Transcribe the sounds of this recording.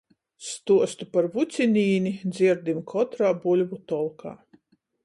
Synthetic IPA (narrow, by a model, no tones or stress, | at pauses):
st̪uɔst̪upaɾvut̪sʲinʲiːnʲid̪zʲiɾd̪imkʰɔt̪ɾaːbulʲvut̪ɔlˠkʰa̰ː